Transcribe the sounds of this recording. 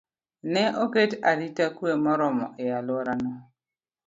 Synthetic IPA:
nɛoketaɾitakuemɔɾɔmɔ̰ʔealɔɾanɔ

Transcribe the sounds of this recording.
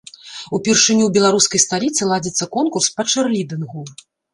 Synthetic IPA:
upʲɛrʂɨnʲuwbʲɛlˠaɾuskɐjst̪alʲit̪sɨlˠad͡zʲit̪sːɐkɔnkurspɐt͡ʂɨrlʲid̪ɨnɣu

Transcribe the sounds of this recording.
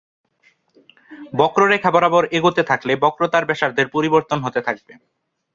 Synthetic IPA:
bɔkɾoɾekʰaboɾaboɾeɡot̪et̪ʰaklebɔkɾot̪aɾbɛʃaɾd̪eɾpoɾiboɾt̪onɦot̪et̪ʰak̚be

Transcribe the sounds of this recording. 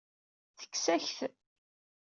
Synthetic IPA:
θə̥kːsæçθ

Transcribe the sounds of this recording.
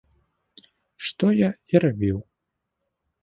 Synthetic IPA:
ʂt̪ɔjaiɾabʲiw

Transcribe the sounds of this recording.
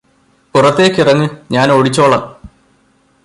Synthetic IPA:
purɐt̪ːe̞ːkʲːirɐŋːɨɲaːnoːɽit͡ɕːo̞ːɭɐ

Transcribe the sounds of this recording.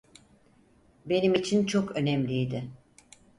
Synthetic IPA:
be̞nimit͡ʃʰint͡ʃʰokø̞nɛmlʲijd̪ɪ

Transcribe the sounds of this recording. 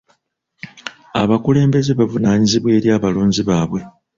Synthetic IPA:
a̰βakule̞ːmbe̞zeβavunaːɲiziβwe̞ːɾjaːβaluːɲziβaːβwe̞

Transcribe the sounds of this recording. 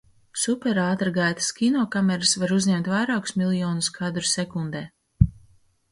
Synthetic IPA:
supʲɛɾaːt̪ɾɡajt̪ḁskʲinɔːkamɛɾasvaɾuzɲɛmt̪vajɾaːku̥smʲilˠjɔːnuskʰad̪ɾusɛkund̪ɛː

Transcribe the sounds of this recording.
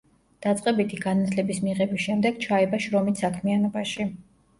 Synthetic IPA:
d̪̥at̪sʼqʼɛbit̪ʰiɡanat̪ʰlɛbismiʁɛbisʃɛmd̪ɛɡ̥̚t͡ʃʰaɛbaʃɾɔmissakʰmianɔbaʃi

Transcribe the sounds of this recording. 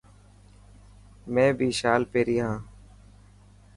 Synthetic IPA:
mɛ̃ːbʱiːʃaːlpeːɾiːɦãː

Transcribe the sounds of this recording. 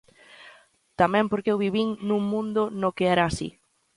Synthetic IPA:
t̪amɛ̃mpoɾkewβiβiŋnũŋmũnd̪ʊnokeɛɾaːsḭ

